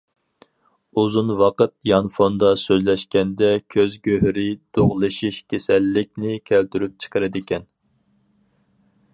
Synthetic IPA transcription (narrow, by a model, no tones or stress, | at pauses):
uzunwɑqət̪̚jɑnfond̪ɑsøzlɛʃkʲɛnd̪ɛkʲʰøzɡʲøhɾɪd̪̥oʁlˠɨʃiʃkʲʰesɛlːɪk̚ʲnɪkʲʰælt̪ʰyɾyp̚t͡ʃʰə̥qʰəɾɨd̪ɪkʲʰɛn